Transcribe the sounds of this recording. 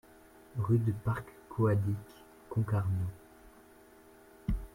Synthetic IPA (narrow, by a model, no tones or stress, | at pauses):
ʁyd̪əpaʁkː | oad̪ikː | ɔ̃kaʁno